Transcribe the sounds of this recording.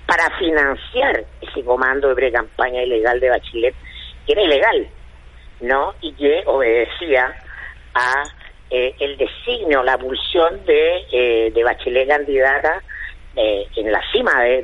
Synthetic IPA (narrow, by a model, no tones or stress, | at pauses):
paɾafinansjaɾeseko̞mãnd̪oðepɾekampaɲaileɣald̪eβat͡ʃilet̪̚keeɾaileɣal | noikeoβeðesia | a | eeld̪e̞siɣneolapulsjo̞nd̪eðeβat͡ʃelekand̪iðat̪aeenla̰simaðe